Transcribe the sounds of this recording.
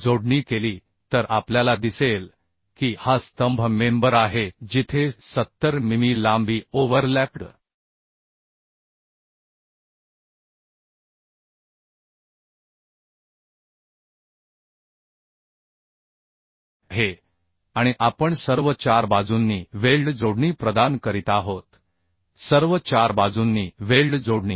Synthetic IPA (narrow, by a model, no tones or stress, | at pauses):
d͡zoɽɳiːkeliː | t̪əɾʔapljalad̪isel | kiːhast̪əmbʱmembəɾaɦed͡ʑit̪ʰesət̪ːəɾmimiːlambiːoʋəɾlæpʈə | ɦe | aɽ̃iʔapəɳsəɾʋət͡ɕaɾbad͡zunːiːʋelɖd͡zoɽɳiːpɾəd̪ankəɾit̪aɦot̪ | səɾʋət͡ɕaɾbad͡zunːiːʋelɖd͡zoɽɳḭː